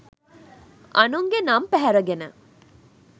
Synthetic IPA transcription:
ʔɐnuŋɡenɐmpæɦæɾɐɡenə

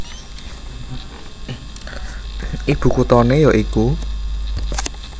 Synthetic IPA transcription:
ʔib̥ṳkut̪ɔnejɔʔiku

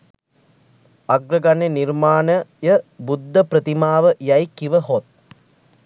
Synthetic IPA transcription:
aɡɾəɡanenirmaːnəjəbud̪ːəpɾət̪imaːʋəjɐjkiʋəɦot̪̚

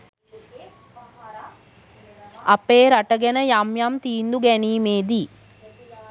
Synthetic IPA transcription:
apeːɾaʈəɡɛnəjamjamt̪iːnd̪uɡɛniːmeːd̪i

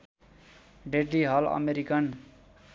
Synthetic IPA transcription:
ɖeʈːiɦʌlʌ̰meɾikʌn

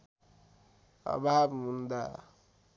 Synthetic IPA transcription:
a̰babmund̪a

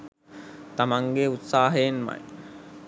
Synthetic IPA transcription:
t̪amaŋɡeut̪saːɦəjenma̰j

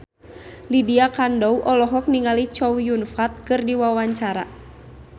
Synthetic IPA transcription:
lidiakandɔwʔɔlɔɦɔk̚niŋalit͡ʃɔwjunfat̪̚kɨrdiwawaɲt͡ʃaɾa̰

